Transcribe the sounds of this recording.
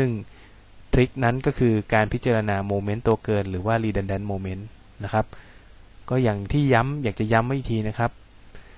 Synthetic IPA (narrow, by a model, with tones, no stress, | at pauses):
sɯ˥˩ŋ | t̪ʰɾi˦˥k̚na˦˥nkɔː˥˩kʰɯː˧kaː˧npʰi˦˥t̪̚t͡ɕaː˧ɾa˧naː˧moː˧me˦˥nt̪u˧ɐkɤː˧nɾɯː˩˦waː˥˩liː˧de˧ndɛ˧nmoː˧me˦˥nː | a˦˥kʰa˦˥p̚ | kɔː˥˩jaː˨˩ŋt̪ʰiː˥˩ja˦˥mjaː˨˩k̚t͡ɕa˨˩ja˦˥mːa˥˩jt̪ʰiː˧na˦˥kʰa˦˥p̚